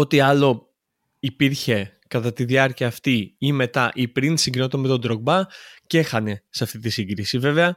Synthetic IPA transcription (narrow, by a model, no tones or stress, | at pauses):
o̞t̪iɐlo̞ | ipiɾçe̞ | kɐt̪ɐt̪iðiɐɾciɐːft̪iime̞t̪ɐʔipɾinsiɡino̞t̪omet̪o̞nd̪ɾo̞ɡ̚bɐce̞xɐne̞seɐft̪it̪isiɡɾisive̞ve̞ɐ